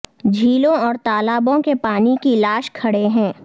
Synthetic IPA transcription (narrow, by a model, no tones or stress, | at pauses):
d͡ʒʱiːlõɔːɾt̪aːlaːbõkepaːnikilaːʃkʰɐɽeɦɛ̃ː